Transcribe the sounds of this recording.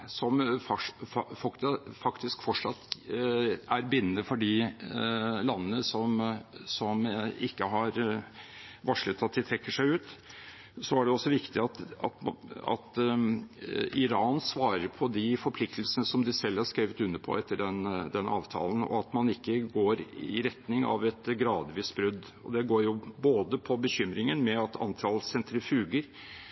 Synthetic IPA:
sɔmfɑfɑkt̪fɑkt̪ɪskfɔʂɑt̪ː | æɾbɪnːənəfɔɖɪ | lɑnːənəsɔmsɔmɪkːəɦɑɾ | ʋɑʂɭət̪ʰːɑt̪̚d̪ɪt̪ʰɾɛkːəʂæɪʉːt̪ | sɔæɖɛɔsːɔʋɪkt̪ɪɑt̪ɑ̰t̪ɑ̰t̪ | ɪɾɑːnsʋɑːɾəɾpʰɔd̪ɪfɔɾpʰlɪkt̪əl̩sənəsɔmd̪ɪsɛlːhɑɾʂkɾeːʋət̪ʉnːəpʰɔ̰ɛt̪ːəɖɛnd̪ɛnʔɑ̰ːʋt̪ʰɑ̰ːlən̩ɔ̰ɑt̪mɑnɪkːəɡoːɾɪ̰ɾɛt̪nɪŋɑ̰ʋɛt̪ɡɾɑːd̪ʋiːsbɾʉd̪ː | ɔ̰d̪ɛɡoːɾjʊboːd̪əpʰɔbəçʏmɾɪŋənmɛɑt̪ʰɑ̰nt̪ʰɑlsɛnt̪ɾəfʉːɡəɾ

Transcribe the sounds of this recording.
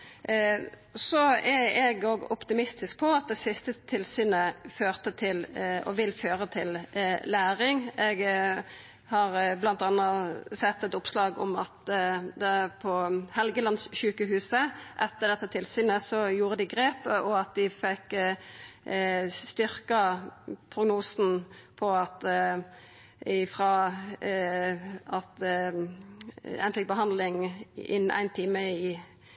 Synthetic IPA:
sɔɛɛɡoːɡɔpt̪ɪmɪst̪ɪsk̚pʰɔɑt̪̚d̪ɛsɪst̪ət̪ʰɪlsyːnəføːʁt̪ət̪ʰɪlɔ̰ʋɪlføːɾət̪ʰɪlːæːɾɪŋɛɡ | hɑɾblɑnt̪ɑnːɑsɛt̪ːɛt̪ʊpslɑːɡɔ̰mɑ̰t̪d̪ɛpʰɔhɛlɡəlɑnsʃʉːkəɦʉːsəʔɛt̪ːəd̪ɛt̪ːɑt̪ʰɪlsyːnəsɔjuːʁəd̪ɪɡɾeːpəʔɔɑt̪̚d̪ɪfɛkː | st̪ʏɾkɑpʰɾʊɡnuːsn̩pʰɔɑt̪ | ɪfʁɑː | ɑt̪ | æ̰ɪnfɪk̚bəɦɑnd̪lɪŋɪ̰næ̰ɪnt̪ʰiːməɪ

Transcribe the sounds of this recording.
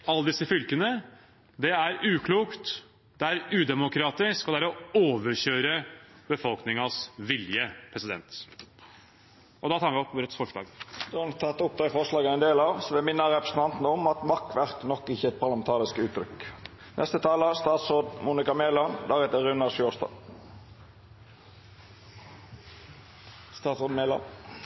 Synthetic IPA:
ɑlːəd̪ɪsːəfʏlkənə | d̪ɛæɾʉːkʰluːkt̪ | d̪ɛæɾʉːd̪ɛmʊkʰɾɑːt̪ɪskɔd̪ɛæɾɔoːʋəɾɕøːɾəbəfɔlknɪŋɑsʋɪljəpʰɾɛsɪd̪ɛ̰nt̪ | ʔɔd̪ɑt̪ʰɑːɾʋɪɔpːuːɾət̪sfɔʂɭɑ̰ːɡd̪ɔɑnt̪ʰɑt̪ːʊp̚d̪ɑfɔʂlɑːɡəæɛnd̪eːlɑʋsɔʋɛmɪnːəɾɛpɾəsən̩ɑnt̪n̩əɔmɑt̪mɑkːʋæɾt̪nɔkːɪçːəɛt̪̚pʰɑʁlɑmɛnt̪ʰɑːɾɪskʉːt̪ːɾʏk | nʔɛst̪ət̪ʰɑːləst̪ɑːt̪soːd̪muːnɪkɑmeːlɑnd̪ɑːɡɛt̪əɾʉnːɑʂoːst̪ɑ̰ː | st̪ɑːt̪sʁoːd̪melɑ̰n

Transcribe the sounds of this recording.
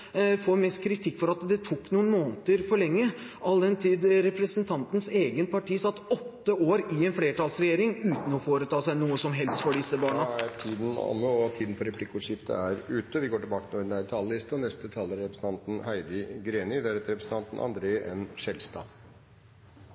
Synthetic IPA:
foːɾmɛst̪kʰɾɪt̪ʰɪkːfɔɾɑt̪d̪ɛt̪ʰukːnuːənmoːnt̪əɾfɔɭɛŋːəʔɑld̪ɛnt̪ʰiːd̪ɾɛpɾəsənt̪ʰɑnt̪n̩seːɡənpʰɑʈʰiːsɑt̪ːɔt̪ːəoːɾɪɛnfleːʈɑːlsɾɛjeːɾɪŋʉːt̪n̩ɔfoːɾət̪ʰɑːsæɪnuːəsɔmɦɛlst̪fɔɖɪsːəbɑːɳɑæɾʈʰiːd̪n̩ɑ̰nːəɔt̪ʰiːd̪n̩fɔɾɛpʰlɪkːəʊʂɪft̪ə̰æɾʉːt̪əʋɪɡoːʈɪlbɑːkət̪ɪnuːɪd̪æɾt̪ʰɑːləlɪst̪əɔnɛst̪ət̪ʰɑːləɾɛpɾəsn̩ʰɑnt̪n̩hæɪd̪əɡɾeːnɪd̪æɾɛt̪əɾɛpɾsn̩t̪ʰɑnt̪n̩ɑ̰nd̪ɾeːʔɛnʂɛlst̪ɑ̰ː

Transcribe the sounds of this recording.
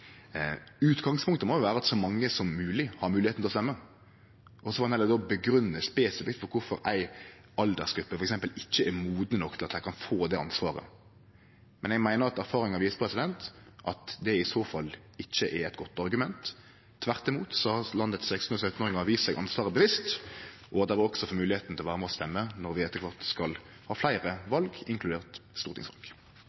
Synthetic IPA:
ʉːt̪ɡɑŋspʰʊŋkt̪əmɔjʊʋæːɾəɑt̪sɔmɑŋːəsɔmːʉːlɪhɑɾmʉːlɪheːt̪n̩lɔst̪ɛmːə | ʔɔsɔʋɑɛlɛd̪ɔbəɡɾʉnːəspɛːsɪfɪkt̪fɔɾkʰʊɾfɔɾæɪ | ɑld̪əɾsɡɾʉpːəfɔɾɛksɛmpəlɪçːəæɾmuːd̪nənɔkt̪ʰɪlɑt̪æɪkʰɑnfoːd̪ɛɑnsʋɑːɾə̰ | mɛnɛɡmæɪnəɾɑt̪æɾfɑːʁɾɪŋɑʋiːsə̥pʰɾɛsɪd̪ɛnt̪ʔɑt̪d̪ɛɪsoːfɑlː | ɪçːəʔɛɾɛt̪ɡɔt̪ːɑʁɡʉmɛnt̪ʰː | ʋæʁt̪ɪmuːt̪sɔhɑlɑnd̪ət̪sɛkst̪n̩ɔsœt̪n̩oːɾɪŋəʋiːssɛɡʔɑnsʋɑːʁəbəʋɪst̪ʔɔɑt̪d̪ɛʋɪʁɔksɔfɔmʉːlɪheːt̪n̩t̪ɪɔʋæːʁəmɛɔst̪ɛmːənɔɾʋɪɛt̪ːəkʰʋɑʁt̪skɑl | hɑːflæɪʁəʋɑlɡɪŋkʰlʉd̪eːʁt̪st̪uːɾt̪ʰɪ̰ŋsʋɑ̰lɡ̥

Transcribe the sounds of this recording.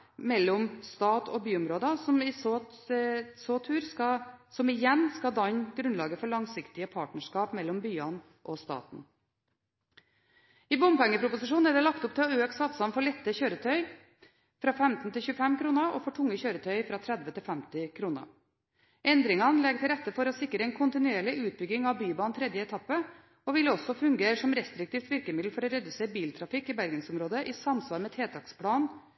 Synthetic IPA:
mɛlːɔmst̪ɑːt̪ʰɔ̰byːʊmɾoːd̪ɑsɔmɪso | soːt̪ʰʉːɾɑsɔmɪjɛnːskɑd̪ɑɲɡɾʉnlɑːɡəfɔɭɑŋsɪkt̪ɪəpʰɑːʈɳəʂkɑːpmɛlːɔmbyːɑn | ʔɔst̪ɑ̰ːt̪n̩ | ɪbʊmpɛŋːəpʰɾʊpʊsɪʂ̬uːnnæɖ̪ɛlɑkt̪ʊp̚t̪ʰɪlɔøːksɑt̪sɑnfɔɭɛt̪ːəçøːɾət̪ʰœʏ | fɾɑːfɛmt̪n̩t̪ʰɪlçʉːəfɛmkɾuːnəɾoːfɔʈʰʊŋːəçøːɾət̪ʰœʏfɾɑːt̪ʰɾæd̪ʋət̪ɪlfæmt̪ɪkʰɾuːnə̰ | ʔɛnd̪ɾɪŋɑnlɛɡt̪ʰɪlɾɛt̪ːəfɔɾɔːsɪkːɾəɛɪnkʰʊnt̪ɪnʉeːɭɪʔʉːt̪̚bʏɡːɪŋɑʋbyːbɑːnt̪ʰɾɛd̪jəɛt̪ʰɑpːə | oːʋɪlɔsɔfʉŋɡeːɾəʂɔmɾɛst̪ɾɪk̚t̪iːft̪ʋɪɾkəmɪd̪l̩fɔɾoɾɛd̪ʉseːɾbiːlt̪ʰɾɑfɪkːiːbæɾɡənsʊmɾoːd̪əʔiːsɑmsʋɑːɾmɛt̪ʰeːt̪ʰɑkspʰlɑːn

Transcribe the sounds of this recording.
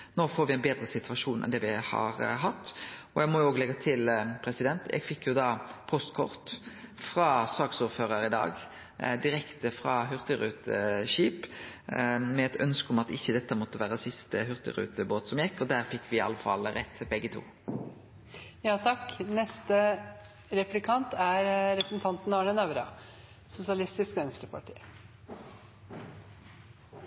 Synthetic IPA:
noːfoːɾʋɪæɪnbeːd̪ɾəsɪt̪ʋɑʂuːnʔɛ̰nd̪ɛːʋɪhɑ̰ɾɦɑt̪ːɔjæɪɡmɔjʊoːɡlɛɡːɑt̪ʰɪlpʰɾɛsɪd̪ɛnt̪jɛ̰ɡfɪkːjʊd̪ɑːpʰɔst̪kʰɔʁt̪fɾɑsɑːɡsuːɾføːɾəɾɪd̪ɑ̰ːɡ | d̪ɪɾɛkt̪əfɾɑɦʉʁt̪əɾʉːt̪əʃiːp | mɛɛt̪œnskəʊmɑt̪ɪçːəd̪ɛt̪ːəmɔt̪ːəʋæːʁəsɪst̪əɦʉʁt̪ə̰ʁʉ̰ːt̪əboːt̪sɔmjɛkːɔd̪æːʁfɪkːʋɪɑ̰ləfɑ̰lʁɛt̪ːbɛɡːət̪ʰṵː | jɑːt̪ʰɑknɛst̪ə | ɾɛplɪkʰɑnt̪æɾɾɛpɾəsn̩t̪ʰɑnt̪n̩ɑːɳənɑʋɾɑ | sʊsɪɑlɪst̪ɪskɛnsʈ̪əpʰɑʈʰḭː

